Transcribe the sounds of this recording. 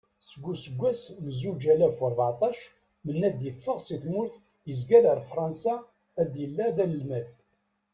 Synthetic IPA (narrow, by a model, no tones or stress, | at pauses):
səɡʷːusəɡʷːæsmzud͡ʒælæfəɾˤvʕɑt̪ˤɑʃ | mənːæd̪jəfːəʁsiθmʊɾθ | jəzɡæləɾfɾˤɑnsa | æd̪jəlːæðæləlmæð